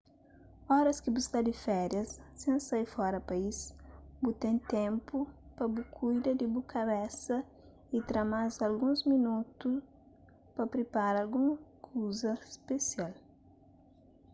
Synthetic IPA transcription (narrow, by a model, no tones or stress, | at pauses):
ɔɾɐskɪbuskad̪ɪfɛɾjɐsːẽnsajfɔɾɐpaisbut̪ẽnt̪ẽmpupɐbukʰujd̪ɐd̪ɪbukʰaβɛsɐ | it̪ɾamazalɡũzminut̪us | pɐpɾepaɾalɡũmkʰuzɐspesial